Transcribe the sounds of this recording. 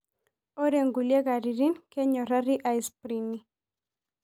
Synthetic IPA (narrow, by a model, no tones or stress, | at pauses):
oɾeŋɡuleɣaɾiɾinkeɲorariʔajspɾini